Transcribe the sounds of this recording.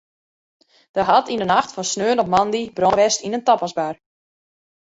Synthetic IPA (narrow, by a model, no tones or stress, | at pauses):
d̥əɦatʰindənaxtfɔnsnøːnɔmɑndibroʋɛstinəntɔpɔsbar